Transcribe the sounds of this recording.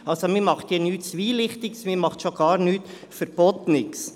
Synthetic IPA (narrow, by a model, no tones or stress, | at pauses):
ʔɑlsomiːɾmɑχthiːnyːtt͡sʋiːlɪχtɪɡsmiːɾmɑχtʃoɡ̥ɑːɾnyːt | fɛɾb̥oːt̪nɪks